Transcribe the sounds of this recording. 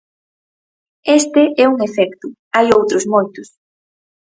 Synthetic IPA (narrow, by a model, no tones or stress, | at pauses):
est̪ɪʔɛuŋefɛkt̪ʊ | ajowt̪ɾʊzmojt̪ʊs